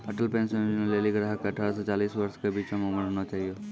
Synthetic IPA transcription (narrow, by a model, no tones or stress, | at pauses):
əʈəlpẽːnsẽnoleːliɡɾaːɦəkeɐʈʰaːɾasɔt͡ʃaːliːsʋəɾskebiːt͡ʃẽmẽməɾɦoːnot͡ʃaːɦijoː